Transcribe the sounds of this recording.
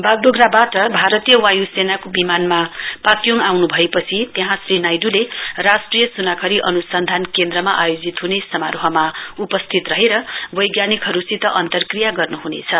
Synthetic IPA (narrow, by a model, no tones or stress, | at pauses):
baɡɖoɡrabaʈʌbʱaɾʌt̪ijʌwajusenakobimanmapat̪joŋawnubʱʌepʌt͡sʰit̪eɦãsrinajɖulerasʈrijʌsunakʰʌɾiʔʌnusʌnd̪ʱankend̪ɾʌmaʔajod͡zit̪ɦunesʌmaɾoɦʌmaupʌst̪ʰit̪rʌɦeɾʌbʌjɡjanikɦʌɾusit̪ʌʔʌnt̪ʌrkrijaɡʌrnuɦunḛt͡sʰʌ